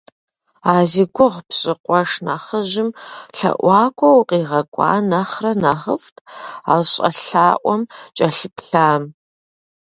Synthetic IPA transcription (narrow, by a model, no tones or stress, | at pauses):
aːziɡʷʊʁpɕʼɪqʷʼɔʂnaχəʑɪmɬɐ̰ʔʷɑːkʷʰɔwqʼiːʁɐkʷʼɑ̰ːnɐχrɐnɐʁəftʰʼa̰ːwɕʼɐ̰ɬaːʔʷɔmt͡ʃʼɐɬɨpɬaːm